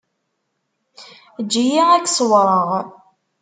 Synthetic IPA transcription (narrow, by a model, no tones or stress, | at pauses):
d͡ʒːijiækːsˤwɾˤəʁ